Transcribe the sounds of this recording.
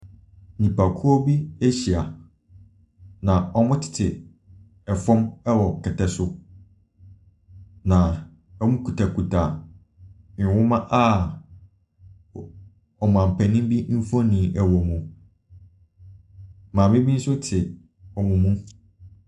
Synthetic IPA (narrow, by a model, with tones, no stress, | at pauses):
nĩ˨pʰa˨kʰu˦ɔ˦bi˦æ˦ɕi˨a˨ | nã˨ɔ˦mʊ̃˦tʰɪ̥˨tʰɪ˨ | ɛ˨fɔ̃˦mɛ˦wɔ˨kʰɛ˨tʰɛ˨sʊ˦ | nã˨ | ɛ˦mʊ̃˦kʰu˨tʰa˨ku˨tʰa˨ | nɪ̃˨wʊ̃˦mã˦ʔa˦ | ɔ˨m˨ã˨m̩˨pʰɛ˨nĩ˦m˦bi˦m̩˦fɔ̃˦nĩ˨ʔɛ˨wɔ˨mũ˨ | mãː˨mɪ̃˦bi˦n̩˦sʊ˦tʰɪ˨ | ɔ˨mũ˨mũ˦